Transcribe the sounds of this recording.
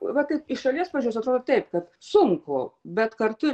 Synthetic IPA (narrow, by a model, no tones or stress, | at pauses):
ʋɐt̪ɐɪpɪʃʃɐlʲiɛspɑɐʋɐd͡ʒʲoʊsɐt̪ɾoːd̪oːt̪ɛɪpkɐt̪sʊŋkoːbʲɛt̪kɐɾt̪ʊ